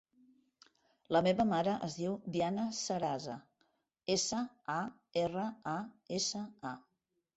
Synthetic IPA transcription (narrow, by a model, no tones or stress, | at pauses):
ləmeβəmaɾəʔəzðiwbianəsəɾazə̰ | esə | a | erəaesəa